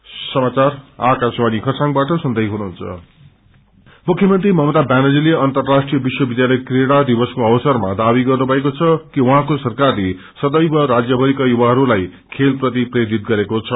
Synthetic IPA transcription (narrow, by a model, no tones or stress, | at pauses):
sʌmat͡sarakaswanikʰʌsãŋbaʈʌsʌnd̪ʌjɦunuɦunt͡sʰʌ̰ | mukʰjʌmʌnt̪rimʌmʌd̪abanʌd͡zileʌnt̪ʌrːasʈrijʌbiswʌbid̪jalʌjkreɽad̪ibʌskoʌwʌsʌrmad̪abiɡʌrnubʱʌekot͡sʰʌkiwuɦãkosʌrkarle | sʌd̪ʌjbʌɾad͡zjʌbʱʌɾikajubaɦʌɾulaj | kʰelprʌt̪̬iprʌjod̪it̪̚ɡʌɾekot͡sʰʌ